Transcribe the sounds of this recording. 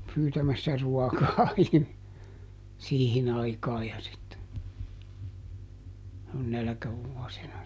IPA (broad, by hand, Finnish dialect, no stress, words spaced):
pyːtæmæsːæ ruɔkɑː ihmi siːhin ɑikɑː jɑ sitːe nælkæʋuɔsinɑ